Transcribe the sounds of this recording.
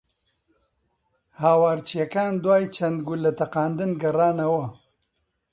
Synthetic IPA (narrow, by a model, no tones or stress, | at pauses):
haːwaːɾt͡ʃijakaːnd̪waːjt͡ʃɐnd̪ɡʊlːɐt̪ɐqɑːnd̪ɨnɡɐɾaːnawɐ